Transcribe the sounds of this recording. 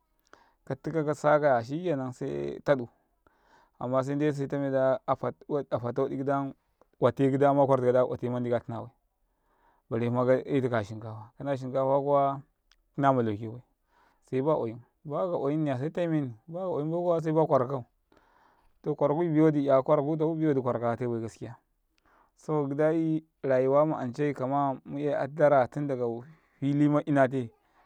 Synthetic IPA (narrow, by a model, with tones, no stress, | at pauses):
ka˨ti˦ka˦ka˨sa˦ka˦˨ja˨ʃ̬i˦ja˦na˨ŋsa̰˦i˦ta˦du˨ | a̰˨mːa˦s̬a˦n˦de˦s̬a˦i˦ta˦me˨da˦˨fa˨˦a˨fa˨ta˦wa˦di˦ɡda˦n | wa˨te˦ɡi˦da˦ma˦kʷa˦ɾti˨ɡa˨da˦˨ʔa̰˨te˦ma˦ndi˦ɡa˨ti˦na˨wa˨i˨ | ba˨ɾe˨˦ma˦ɡa˦i˦ti˨ka˨ʃi˨ŋka˨wa˨ka˦na˦ʃ̬i˨ŋka˦wa˦ku˦wa˦ | ki˦na˦ma˨lo˨ke˦wa˨i˨ | sa˨i˦ba˦ʔo̰˨ji˦n | ba˦ɡa˨ʔo˨ji˦nːi˨ja˨s̬a˦i˦ta˦i˦mi˦n˨ba˦a˨o̰˨ji˦ba˦ku˦wa˦s̬a˦i˦ba˦kʷa˨ɾa˨ka˦u˨ | to˨kʷa˨ɾa˨ku˦bi˦jo˦di˨a˨˦kʷa˦ɾa˨ku˦t̬a˦u˦bi˦o˦di˨kʷa˨ɾka˨a˨te˦wa˨i˨ɡa˨ski˦a˦ | so˦˨ɡi˨da˦i˦ | ɾa˨ji˨wa˦ma˨a̰˨nt͡ʃa˦i˦ka˨ma˦mu˦je˦a̰˨˦da˦ɾa˨ti˦nda˨ɡa˨ | fi˦li˦ma˦ʔi˦na˦t̬e˦˨